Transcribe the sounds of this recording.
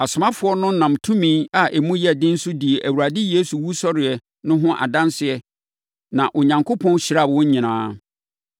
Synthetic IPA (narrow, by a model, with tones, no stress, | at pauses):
a˨sʊ˨mã˦fʊ˨˦ɔ˦nʊ̃˦nã˨mtʰũ˦mĩ˦a˨ʔe˨mũ˦jɛ˦˨dɪ̃˦n̩˦sʊ˦di˨e˨ʔæ˨wu˨ɾa˨dɪ˦je˦su˨wu˦sɔ˦ɾɪ˨ɛ˨ | nʊ̃˦ɦʊ̃˦ʔa̰˨dã˦nsɪ˨ɛ˦ | nã˨ʔo˨ɲã˨ŋkʰo˦pʰɔ̃˦n˦ɕɪ˨ɾa˦˨bwɔ̃˦ɲ˦ɲĩ˨nãː˦